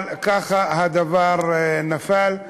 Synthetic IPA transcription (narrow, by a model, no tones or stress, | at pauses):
lkaχahad̪avaʁnafal